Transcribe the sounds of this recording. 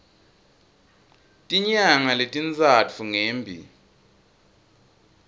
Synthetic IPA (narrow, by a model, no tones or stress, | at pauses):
tʼiɲaŋaletʼint͡sʼat͡fʰuŋeːmbʱḭ